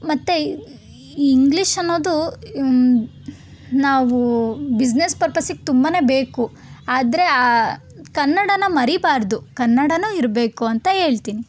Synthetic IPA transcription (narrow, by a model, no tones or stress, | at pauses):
mɐt̪ːe | iŋɡliʂɐnːo̞ːd̪u | naːʋubid͡ʒnespɐɾpɐsiɡet̪umbɐne̞ːbe̞ːku | aːd̪ɐɾe̞a | kɐnːɐɽɐnːɐmɐɾibaːɾd̪ukɐnːɐɽɐnuːiɾbe̞ːkuɐnt̪ɐɦe̞ːɭt̪iːni